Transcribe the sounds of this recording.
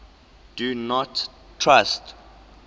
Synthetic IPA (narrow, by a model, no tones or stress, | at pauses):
d̥unɔtʰ | ɹast